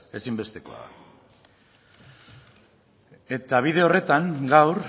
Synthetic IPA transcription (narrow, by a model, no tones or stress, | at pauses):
e̞simbe̞st̪e̞ko̞a̰ða̰ | e̞t̪aβ̞ið̞e̞o̞re̞t̪aŋɡawɾ